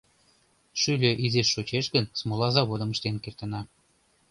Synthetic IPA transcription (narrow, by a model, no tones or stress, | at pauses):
ʃylʲøʔizeʃːot͡ɕeʃɣənsmolɑzɑβod̪ə̆mə̆ʃt̪enkert̪ənɑ